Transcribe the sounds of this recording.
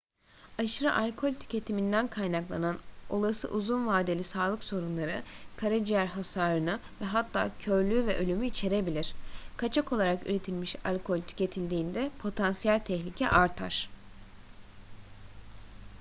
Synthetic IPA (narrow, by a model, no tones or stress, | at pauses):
aʃɯɾaʔalʲkʰo̞lʲt̪ʰy̥cʰe̞t̪ʰimind̪ænkʰajnaklˠa̰nano̞lˠasɯ̰ʔuzunvaːd̪e̞lʲisaːlˠɯkso̞ɾunlˠaɾɯkʰaɾad͡ʒijæɾɦasaːɾɯnɯvɛɦat̪ʰːa̰ːcʰøɾlʲyːvɛʔø̞lʲymyit͡ʃʰe̞ɾe̞bilʲiɾ̥kʰat͡ʃʰakʰo̞lˠaɾaky̰ɾe̞t̪ʰilʲmiʃa̰lʲkʰo̞lʲt̪ʰy̥ce̞t̪ʰilʲd̪iːnd̪ɛpʰo̞t̪ʰansijælʲt̪ʰɛçlʲicʰɛ̰ʔaɾt̪ʰa̰ɾ̥